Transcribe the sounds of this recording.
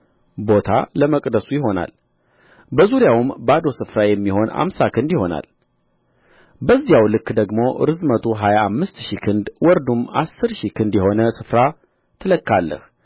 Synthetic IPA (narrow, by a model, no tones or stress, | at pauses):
bo̞t̪ʰa̰ləməkʼd̪əsujɪɦo̞na̰l | bəzuɾijawmbad̪o̞sɨfɾajɛmːiho̞na̰msakʰɨnd̪jɪho̞na̰l | bəzːijawlɨkːd̪əɡmo̞ɾɨzmət̪ʰoɦajaːmːɨst̪ʃikʰɨnd̪wɔɾd̪uma̰sːɨɾʃikʰɨnd̪jɛho̞nəsɨfɾa | t̪ʰɨləkːalːə̰h